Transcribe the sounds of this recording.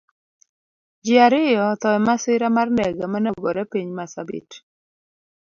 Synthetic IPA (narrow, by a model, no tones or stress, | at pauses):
d͡ʒɪaɾɪjɔt̪ɔɛmasɪɾamarndɛɡamanɛɡoɾɛpiɲmasabḭt